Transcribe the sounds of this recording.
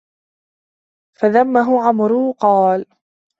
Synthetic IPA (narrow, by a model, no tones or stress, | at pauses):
faðamːaɦʊʕamɾʊqɑːl